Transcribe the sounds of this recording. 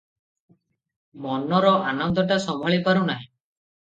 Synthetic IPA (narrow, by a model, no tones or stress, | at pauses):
mɔnɔɾɔʔanɔnd̪ɔʈasɔmbʱaɭipaɾunaɦĩ